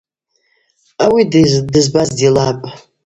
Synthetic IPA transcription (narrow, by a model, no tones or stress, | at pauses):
awiddɨzbazdilapʼ